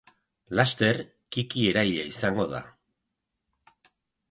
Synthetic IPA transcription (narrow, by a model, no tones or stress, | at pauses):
last̪e̞r | kikie̞ɾajaisaŋɡo̞ð̞a̰